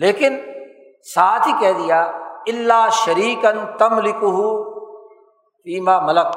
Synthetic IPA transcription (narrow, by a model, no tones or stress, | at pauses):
leːkɪn | saːt̪ikɛɦd̪ijaːɪlːaːʃɐɾiːkɐnt̪ɐmlɪkʊɦʊ | fiːmaːmɐlək